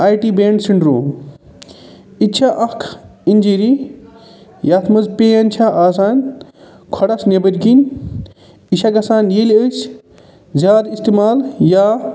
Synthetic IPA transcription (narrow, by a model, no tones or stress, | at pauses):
aːjʈiːbeːɳɖsiɳɖɾoː | it͡ʃʰaʔɐkʰinʲd͡ʒiɾi | jaːt̪ʰmɐzpeːɐnt͡ʃʰaʔaːsaːnʲ | kʰɔɽɐsnebəɾkinʲ | iʃʰaɡɐsaːnjeːlət͡ʃ | zʲaːd̪ist̪emaːljaː